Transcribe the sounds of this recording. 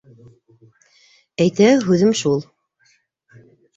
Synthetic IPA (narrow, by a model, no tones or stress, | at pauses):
æjt̪æɦʉðɘmʃulˠ